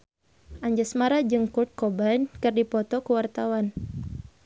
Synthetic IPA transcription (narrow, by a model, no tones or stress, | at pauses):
ʔaɲd͡ʒasmaɾad͡ʒɨŋkut̪̚kɔbankɨrdipɔt̪ɔkuwart̪awan